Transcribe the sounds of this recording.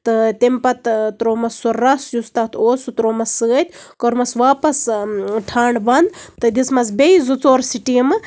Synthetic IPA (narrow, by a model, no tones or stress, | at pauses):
t̪ɨt̪ʲempɐt̪t̪ɾoːmɐsurːɐsjust̪ɐt̪ʰoːsut̪ɾoːmɐsɨɐt̪ʲkoɾmɐsʋaːpɐsʈʰaːɳbɐnd̪t̪ɨd̪ismɐs̬bʲeizut͡soːɾsiʈiːmɨ